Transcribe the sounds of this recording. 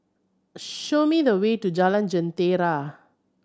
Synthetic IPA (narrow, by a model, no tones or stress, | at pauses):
ʃomiðəweʈud͡ʒalãnd͡ʒə̃nt̪eɾa